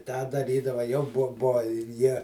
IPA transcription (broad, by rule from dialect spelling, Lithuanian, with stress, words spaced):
ˈtɑː dɐˈrʲiːdɐʋɐ jɛʊ ˈbuɔ ˈbuɔ ɪr ˈjiɛ